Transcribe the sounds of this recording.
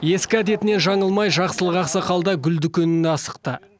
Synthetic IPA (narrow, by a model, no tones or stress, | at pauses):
je̞skʲɪæd̪e̞t̪ɪne̞nʒɑɴəlˠmɑjʒɑqsəlˠəʁɑqsəqʰɑlˠd̪ɑɡʲʏld̪ɪkʲenɪnɑsə̥q̚t̪ə